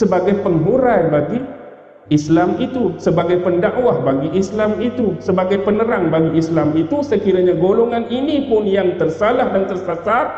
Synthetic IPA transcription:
səbaɡajpəŋɦuɾajbaɡi | islamit̪usəbaɡajpəndaʔwahbaɡiʔislamit̪usəbaɡajpənəɾaŋbaɡiislamit̪usəkiɾaɲaɡoloŋaninipʊnjaŋt̪ərsalahdant̪ərsasar

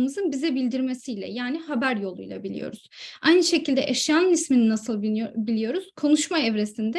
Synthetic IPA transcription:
mɯzɯnbizɛbilʲd̪iɾme̞sijlʲɛ̰jaːniɦabæɾjo̞lˠṵjlˠa̰bilʲḭjo̞̰ɾuz̥ajnɯʃe̞cilʲd̪ɛ̰ʔeʃjanɯnismininasɯlˠbilʲijo̞ɾuz̥kʰo̞nuʃmaevɾesind̪ɛ

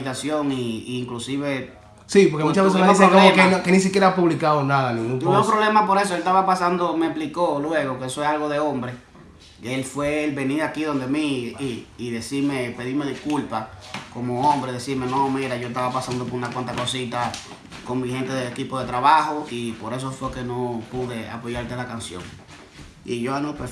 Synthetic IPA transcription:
it̪asjoŋiːŋklusiβe | sipoɾkemut͡ʃasβesemeissekoekenkenĩs̬ikjeɾaapuβlikaðonaðaninũueopɾoβlemapo̞ɾes̬oelt̪aβapasand̪omeplikolwe̞ɣokeesoealɣo̞ðe̞õmbɾe | elfwe̞ːlbe̞niɾakiðo̞nd̪emiː | ðe̞siɾmepe̞ðimeðihkulpakomoõmbɾeðesiɾmenomiɾaʝoest̪aβapasand̪opoɾunakwant̪ako̞sit̪a | koŋmĩhẽ̞nt̪eðelekipoðe̞t̪ɾaβahoipo̞ɾe̞s̬ofweke̞nopuðe̞a̰poʝaɾt̪elakansjo̰ŋ | ḭʝoanõpe

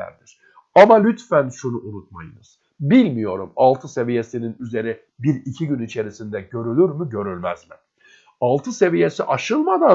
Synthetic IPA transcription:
æ̰ɾd̪iɾ̥ | amalʲyt̪fænʃunuʔunut̪̚majɯnɯz̥ | bilʲmijo̞ɾumalˠt̪ʰɯse̞vije̞sininyze̞ɾi | biɾicʰiɟynit͡ʃʰe̞ɾisind̪ɛɟø̞ɾylʲyɾmyɟø̞ɾylʲmæzmɪ | alˠt̪ʰɯse̞vije̞siʔaʃɯlˠmad̪a

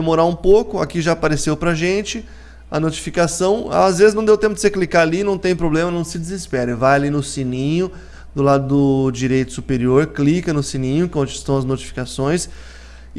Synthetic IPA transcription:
emoɾaũpowkʊakiʒaːpaɾesewpɾɐʒẽnt͡ʃɪ | ɐnot͡ʃi̥fikasɐ̃w̰̃azvezɪznɐ̃w̃d̪ewt̪ẽpʊd͡ʒ̪ɪseklikaalinɐ̃w̃t̪ẽj̃pɾoblẽmɐnɐ̃w̃sɪd͡ʒɪzɪspɛɾɪvajalinʊsinĩɲʊ | d̪ʊlad̪ʊd̪ʊd͡ʒiɾejt̪ʊ̥supeɾioɾklikɐnʊsinĩɲʊ̃kõd͡ʒɪ̥st̪ɐ̃w̃ɐznot͡ʃi̥fi̥kasõj̃s

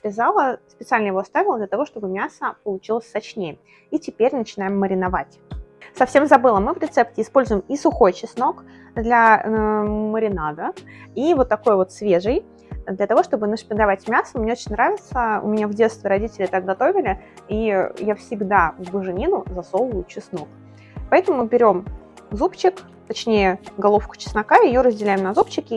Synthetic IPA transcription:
pɾʲɪzalˠəspʲɪt̪salʲnəjɪvo̞ɐst̪avʲɪlˠəd̪lʲət̪ɐvo̞ʂt̪o̞bɨmʲasəpəlˠʊt͡ɕilˠəsʲt̪ɐt͡ɕnʲejə | itʲɪpʲeɾʲnət͡ɕɪnajɪmːəɾʲɪnɐvatʲsɐfsʲe̞mzɐbɨlˠəmɨvɾʲɪt̪sɛp̚tʲɪːspo̞lʲzʊjɪmisʊxo̞jt͡ɕɪsno̞k | d̪lʲa | məɾʲɪnad̪əivo̞t̪ːɐko̞jvo̞t̪svʲe̞ʐɨj | d̪lʲɐət̪ɐvo̞ʂt̪o̞bɨnəʂpʲɪd̪ɐvatʲmʲasəmnʲe̞ot͡ɕɪnʲnɾavʲɪt̪səʊ̰mʲɪnʲavdʲe̞t̪st̪vʲɪɾɐdʲitʲɪlʲɪt̪ak̚ɡɐt̪o̞vʲɪlʲɪ | ijafsʲɪɡd̪avbɨʐɨnʲinʊzɐso̞lˠəjʊt͡ɕɪsnok | pɐɛt̪əmʊmɨbʲɪɾʲo̞m | zupt͡ɕɪk | t̪ɐt͡ɕnʲejəɡɐlˠofkʊ̥t͡ɕɪ̥snɐkaɪjoɾəzʲdʲɪlʲæɪmnɐzup̚t͡ɕɪkʲɪ

